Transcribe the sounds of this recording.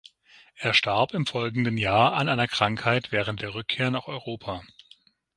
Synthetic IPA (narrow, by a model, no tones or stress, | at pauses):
ʔeːɐʃtaɐpɪmfɔlɡŋ̩dənjaːɐʔa̰nʔaɪnɐkʁ̥aŋkhaɪtv̥ɛːʁ̞ənt̚d̥eːɐʁ̞ʏkʰːeːɐnaːχɔʏʁoːpʰaː